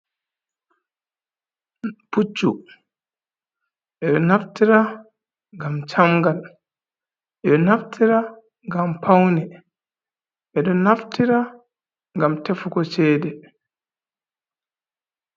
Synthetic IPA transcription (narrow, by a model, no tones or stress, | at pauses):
put͡ʃːu | ʔɛɗɔnaftiɾa | ŋɡamt͡ʃamɡal | ʔɛɗɔnaftʰiɾa | ŋɡampʰawnɛ | ʔɛɗɔnaftiɾa | ŋɡamtɛfukɔt͡ʃɛːdɛ